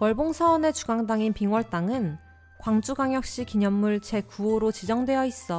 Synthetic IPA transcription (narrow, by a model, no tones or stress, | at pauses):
kwʌɭboŋsʰʌːne̞t͡ɕuɡaŋdaŋinpiŋwʌɭt͈aŋɯn | kwaŋd͡ʑ͈uɡaŋjʌk̚ɕ͈ikiɲʌmːuɭt͡ɕe̞kuoɾot͡ɕid͡ʑʌŋdwe̞jʌis͈ʌ